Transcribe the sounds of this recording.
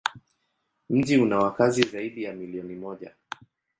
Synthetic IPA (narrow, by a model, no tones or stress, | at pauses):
m̩ʄiunawakazizaiɗijamiliɔnimɔʄa